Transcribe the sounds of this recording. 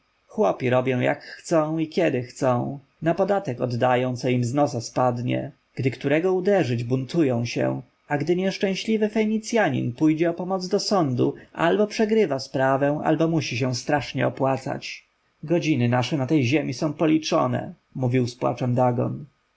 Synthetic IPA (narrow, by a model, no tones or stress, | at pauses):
xwɔpʲiɾɔbʲjɔ̃w̃ja̰kxt̪sɔ̃w̃ikʲɛd̪ɘxt̪sɔ̃w̃ | napɔd̪at̪ɛkɔd̪ːajɔ̃w̃t̪sɔimznɔsaspad̪ɲɛ̰ | ɡ̥d̪ɘkt̪uɾɛɡɔud̪ɛʐɘd͡ʑbunt̪ujɔ̃w̃ɕɛ̰ | aɡd̪ɘɲɛʂt͡ʂɛ̃w̃ɕlʲivɘfɛɲit̪sʲjaɲḭnpujd͡ʑɛɔpɔmɔd̪zd̪ɔsɔnd̪uʔa̰lbɔpʂɛɡɾɘvaspɾavɛ̃w̃ʔa̰lbɔmuɕiɕ̬ɛw̃st̪ɾaʂɲɛ̰ɔpwat̪sa̰t͡ɕ | ɡɔd͡ʑinɘnaʂɛnat̪ɛjʑemʲisɔ̃w̃pɔlʲit͡ʂɔ̰nɛ̰ | muvʲiwspwa̰t͡ʂɛmd̪aɡɔ̰n